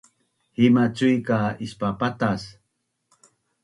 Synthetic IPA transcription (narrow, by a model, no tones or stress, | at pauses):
himat͡sujkaispapat̪as